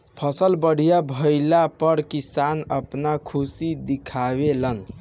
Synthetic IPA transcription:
pʰəsəlbəɽ̤ijabʱəɪlapəɾkisanəpnakʰusid̪ikʰabelən

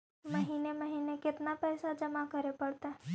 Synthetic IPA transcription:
mɐɦiːneməɦiːnekɪt̪napɛːsad͡ʒɐmakəɾepɐɽt̪aɦ

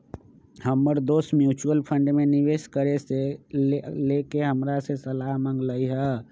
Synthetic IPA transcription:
həmːəɾd̪oːsmjuːt͡ʃuəlpʰə̃ɳɖmeniʋeːskəɾese | lekeɦəmɾasesəlaɦmə̃ŋɡləiɦɛ

